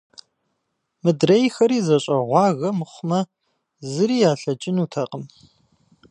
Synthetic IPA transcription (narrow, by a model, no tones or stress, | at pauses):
mɨdrɐjxɐɾiːzɐɕʼɐʁʷɑːɣɐmɨχʷʊmɐ | zɨɾiːjaːɬɐt͡ʃʼɪnuːtʰɐqʼəm